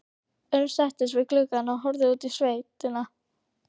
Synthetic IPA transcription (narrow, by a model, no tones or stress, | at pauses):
œɥnsɛht̪ɪsvɪðklʏkanɔɦɔwɾðɪuːt̪isveːjt̪ɪna